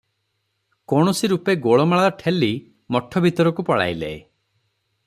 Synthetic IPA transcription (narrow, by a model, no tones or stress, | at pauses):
kɔɽ̃ɔsiɾupeɡoɭɔmaɭaɾɔʈʰeli | mɔʈʰːɔbʱit̪ɔɾɔkupɔɽa̰jlḛḛ